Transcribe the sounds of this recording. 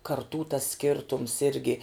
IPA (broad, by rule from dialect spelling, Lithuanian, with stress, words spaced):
kɐrˈtuː tɐs ˈsʲkʲɪrtʊms ˈɪrʲɡʲɪ